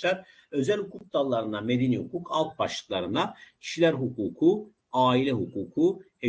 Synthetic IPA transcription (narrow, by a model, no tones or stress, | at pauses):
aɾ | ø̞zælʲhukʰuk̚d̪alˠːaɾɯnamed̪enihukʰukʰalˠk̪̚baʃlˠɯ̥klˠaɾɯnd̪acʰi̥ʃilʲæɾɦukʰuːkʰu | aːilʲɛɦukʰuːkʰuhe